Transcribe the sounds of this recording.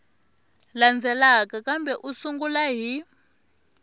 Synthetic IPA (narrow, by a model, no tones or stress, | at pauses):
land͡zʱɛlakakambɛʔusuŋɡulaɦi